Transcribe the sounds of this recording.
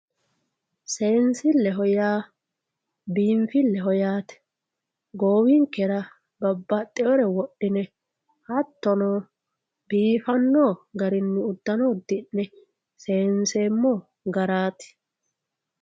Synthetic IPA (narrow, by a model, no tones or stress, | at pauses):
se̞ːnsɪlːɛɦɔjaː | biːmfɪlːɛɦɔjaːt̪ɛ̥ | ɡoːwɪŋkɛɾɐ | bɐbːɐt̪ʼːɛɔɾɛwɔɗːɪnɛ | hɐt̪ːɔno | biːfɐnːoːɡɐɾɪnːɪʊd̪ːɐnoːd̪ɪnːɛ | se̞ːnse̞ːmːɔ | ɡɐɾaːt̪ɪ̥